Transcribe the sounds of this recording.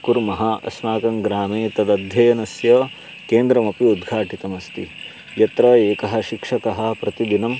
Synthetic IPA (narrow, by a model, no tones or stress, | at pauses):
kuɾmɐɦaʔɐ̰smaːkɐmɡɾaːmeːt̪ɐd̪ɐd̪ʱjɐjɐnɐsjɐ | keːnd̪ɾɐmɐpiud̪ɡʱaːʈit̪ɐmɐst̪i | jɐt̪ɾɐeːkɐɦɐ̆ʃikʂɐkɐɦɐ̆pɾɐt̪id̪inɐm